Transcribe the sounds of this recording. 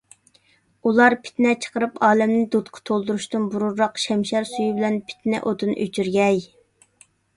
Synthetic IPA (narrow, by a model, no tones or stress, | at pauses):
ulˠɑɾpʰɪ̥t̪nɛt͡ʃʰə̥qəɾɨpɑːlɛmnɪd̪ut̪qʰɑ̥t̪ʰolˠd̪uɾuʃt̪ɨnbuɾuɾːɑqʃɛmʃɛɾsujubɪlɛnpʰɪ̥t̪nɛ̰ʔot̪ʰɨnʔøt͡ʃʰyɾɡʲɛj